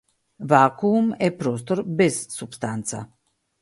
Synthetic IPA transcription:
vakumɛpɾos̬t̪oɾbesːubst̪ant̪sa̰

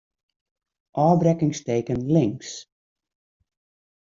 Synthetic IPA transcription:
ʔɔːbrɛkɪŋsteːkənlɪŋs

